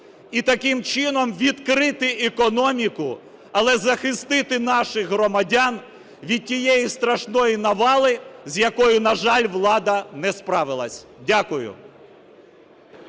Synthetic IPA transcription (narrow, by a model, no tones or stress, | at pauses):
it̪ɐkɪmt͡ʃɪnɔmʋʲid̪kɾɪt̪ɪʔɛkɔnɔmʲikʊ | ɐlˠɛzɐxɪst̪ɪt̪ɪnɑʃɪxɦɾɔmɐdʲɑn | ʋʲid̪̚ʲtʲijɛjist̪ɾɐʃnɔjinɐʋɑlˠɪzʲjɐkɔjʊnɐʒɑlʲʋlˠɑd̪ɐnɛspɾɑʋɪlˠɐsʲdʲakʊjʊ̰